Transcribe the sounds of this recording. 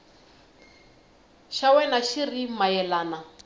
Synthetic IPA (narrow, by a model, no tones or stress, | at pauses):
ʃawɛnaʃirimajɛlaːna